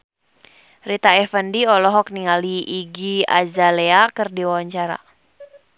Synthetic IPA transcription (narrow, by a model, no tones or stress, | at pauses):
rit̪aɛfəndiɔlɔɦɔk̚niŋaliʔːɡia̰zaleakərdiwawaɲt͡ʃaɾa̰